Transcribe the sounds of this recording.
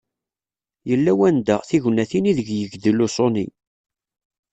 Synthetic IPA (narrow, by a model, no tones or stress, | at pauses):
jəlːæwænd̪æθiʝnæθiniðəɡjəɡd̪əlusˤonḭ